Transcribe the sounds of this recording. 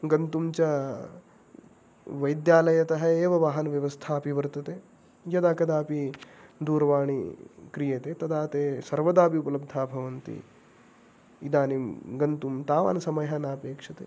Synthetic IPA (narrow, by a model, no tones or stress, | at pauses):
ɡɐnt̪umt͡ʃɐ | ʋɐjd̪jaːlɐjɐt̪ɐɦɐeːʋɐʋaːɦɐnɐʋjɐʋɐst̪ʰaːɐpiʋɐɾt̪ɐt̪eː | jɐd̪aːkɐd̪aːpid̪uːɾʋaːɳikɾijeːt̪eːt̪ɐd̪aːt̪eːsɐɾʋɐd̪aːpiupɐlɐb̚d̪ʱaːbʱɐʋɐnt̪ḭ | id̪aːniɡɐnt̪umt̪aːʋa̰ːnɐsɐmɐjanaːpeːkʂɐt̪e